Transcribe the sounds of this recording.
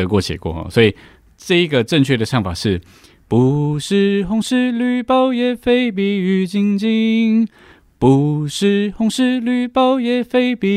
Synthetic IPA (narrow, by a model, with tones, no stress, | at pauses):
ə˧˦˥kwɔ˥˩t͡ɕʰjɛ̰˨˩kwɔ̰˥˨ɔ̰˧˩swɔ˧˥i˨˩ | ʈ͡ʂɤ˥˧i˦ɡə˨ʈ͡ʂə˥˧ŋt͡ɕʰɥɛ˥˩də˩ʂɑ˥˩ŋfa˨˩ʂɻ̩˥˩ | pu˨˦ʂɻ̩˥˧xʊ˥ŋʂɻ̩˥˧ly˥˩pɑ˥ʊjɛ˨˩fe˥ɪp̬i˧y˧˩t͡ɕi˥ŋt͡ɕi˥ŋ | pu˧ʂɻ̩˥˧hʊ˧˥ŋʂɻ̩˥˧ly˥˩pɑ˥ʊjɛ˨˩fe˥ɪpi˧